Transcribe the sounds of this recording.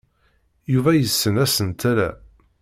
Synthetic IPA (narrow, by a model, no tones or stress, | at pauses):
juvæjəsːənæsənt̪ælæ̰